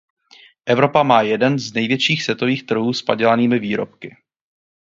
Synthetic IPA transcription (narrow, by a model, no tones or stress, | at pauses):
ʔɛvɾo̞pamaːjɛdɛnznɛjvjɛt͡ʃiːxsjɛt̪o̞viːxt̪r̩ɦuːspaɟɛlaniːmɪviːɾo̰p̚kɪ